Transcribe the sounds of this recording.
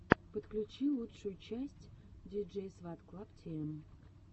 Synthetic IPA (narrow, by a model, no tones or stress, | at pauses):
pət̪klʲʉt͡ɕilˠutʂʊjʊt͡ɕæsʲtʲdʲid͡ʒejsvat̪klˠaptʲʰem